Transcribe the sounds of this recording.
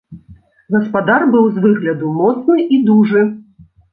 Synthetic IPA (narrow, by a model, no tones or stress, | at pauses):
ɣɐspad̪arbɨwzvɨɣlʲɐd̪umɔt̪snɨʔid̪uʐɨ